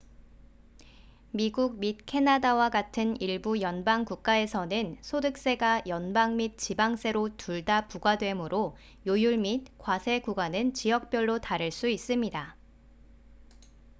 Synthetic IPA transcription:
miɡuɡ̚mit̚kʰe̞nadawaɡatʰɯniɭbujʌnbaŋkuk̚k͈ae̞sʰʌnɯnsʰodɯk̚s͈e̞ɡajʌnbaŋmit̚t͡ɕibaŋs͈e̞ɾotuɭdapuɡwadwe̞mɯɾo | jojuɭmit̚kwasʰe̞ɡuɡanɯnt͡ɕijʌk̚p͈jʌɭːotaɾɯɭs͈uis͈ɯmɲida

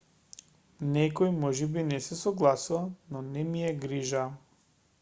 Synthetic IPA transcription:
nɛkɔjmɔʒibinɛsɛsɔɡlˠasuvanɔnɛmijɛɡɾiʒa

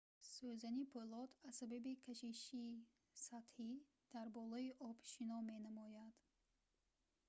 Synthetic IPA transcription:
søzanipʰolɔt̪ʰasababikʰaʃiʃi | sat̪hi | d̪̥aɾbɔlˠɔiʔɔbʃinɔme̞namɔjad̪̥

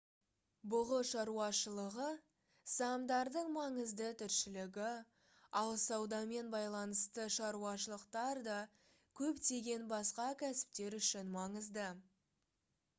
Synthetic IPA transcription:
bʊʁəʃɑɾuɑʃəlˠəʁə | sɑmd̪ɑɾd̪əɴmɑɴəzd̪ət̪ʰʏɾʃɪlɪɡʲɪ | ɑlˠsɑwd̪ɑme̞nbɑjlˠɑnəst̪əʃɑɾuɑʃəlˠəqt̪ɑɾd̪ɑ | kʲʰɵpt̪e̞ɡʲe̞nbɑsqɑkʲʰæsɪ̥p̚t̪e̞ɾʏʃɪnmɑɴəzd̪ə

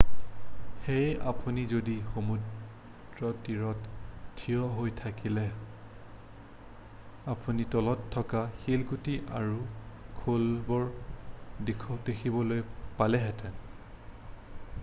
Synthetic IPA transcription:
xeja̰punizodixomud | ɹɔtiɹɔttʰːijɔɦojtʰakilɛ | apunitɔlɔtʰːɔkaxelɡutiʔaɹukʰolbɔɹ | dekʰɔdekʰibɔlojpalɛɦɛtɛn

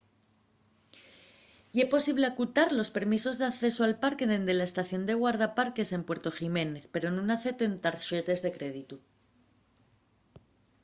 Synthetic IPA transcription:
jepo̞siβ̞le̞akut̪aɾlo̞spe̞ɾmiso̞zðe̞aθe̞soalpaɾkeðend̪elaest̪aθjo̞nd̪e̞ɣ̞waɾð̞apaɾke̞se̞mpwe̞ɾt̪o̞xime̞ne̞θpe̞ɾo̞nũnaθe̞t̪ent̪aɾʃet̪e̞zðe̞kɾeð̞it̪u

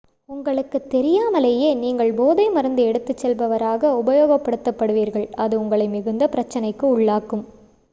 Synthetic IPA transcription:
ʊŋɡɐɭɯkːɯt̪ːɛɾɪjaːmɐleːjeːniːŋɡɐɭboːðɐɪmɐɾɐnd̪ɯɛɽɯt̪ːɯt͡ʃːɛlbɐʋɐɾaːɣɐʊbɐjoːɣɐpːɐɽɯt̪ːɐpːɐɽɯʋiːɾɣɐɭɐðɯʊŋɡɐɭɐɪmɪɣɯnd̪ɐpɪɾɐt͡ʃːɐnɐɪkːɯʊɭːaːkːɯm

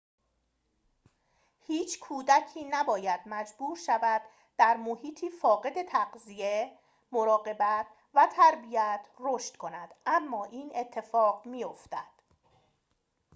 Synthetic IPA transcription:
hiːt͡ʃʰkʰuːd̪æcʰiːnæbɒːjæd̪mæd͡ʒbuːɾʃævæd̪ː | æɾmohiːt̪ʰiːfɒːɣe̞d̪e̞t̪ʰæɢzije | mo̞ɾɒːɢe̞bæt̪̚ʰ | væt̪ʰæɾbijæt̪ʰroːʃt̪kʰo̞næd̪̥ʔæmːɒːʔiːnʔe̞t̪ʰːe̞fɒːɢmijo̞ft̪æd̪̥

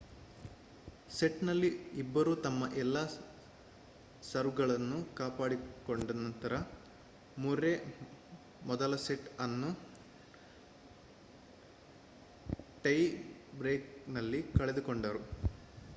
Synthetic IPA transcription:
seʈnɐlːiibːɐɾuːt̪ɐmːɐʔɛlːaː | sɐɾʋɡɐɭɐnːukaːpaːɽikoɳɖɐnɐnt̪ɐɾɐ | muɾe | mɔd̪ɐlɐseʈɐnːu | ʈɐjbɾeːknɐlːikɐɭed̪ukoɳɖɐɾu

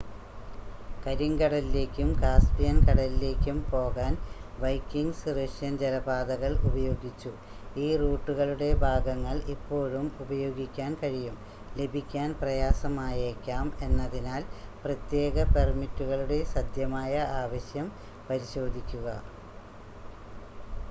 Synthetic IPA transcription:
kɐɾiŋɡɐɽɐlile̞ːkʲːumkaːspijɐnkɐɽɐlile̞ːkʲːumpo̞ːɣaːnʋɐjkːiŋɡsreʂjɐnd͡ʑɐlɐbaːd̪ɐɣɐɭubɐjo̞ːɡit͡ɕːu | iːruːʈːuɣɐɭuɽe̞bʱaːɡɐŋːɐɭipːo̞ːɻumubɐjo̞ːɡikʲːaːnkɐɻijum | le̞bʱikʲːaːnprɐjaːsɐmaːjekʲːaːme̞nːɐðinaːlprɐt̪je̞ːɡɐpe̞rmitːuɣɐɭuɽe̞sɐd̪jɐmaːjɐaːʋɐɕjɐm | pɐɾiɕo̞ːd̪ʱikʲːuɣɐ̰

